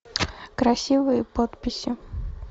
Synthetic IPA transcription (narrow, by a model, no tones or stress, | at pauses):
kɾɐsʲivɨjəpot̪pʲɪsʲɪ